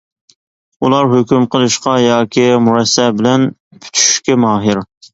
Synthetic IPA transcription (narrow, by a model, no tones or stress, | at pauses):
ulˠɑɾɦøkʲymqʰəlˠɨʃqɑjɑːkʲʰimuɾɛsːɛbɪlɛn | pʰy̥t̪ʰy̥ʃʃkʲɛmɑːɦɪɾ